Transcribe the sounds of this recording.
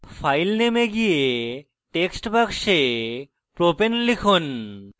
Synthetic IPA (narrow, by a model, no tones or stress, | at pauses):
fajlnemeɡije | ʈeksʈbakʃe | pɾopenlikʰon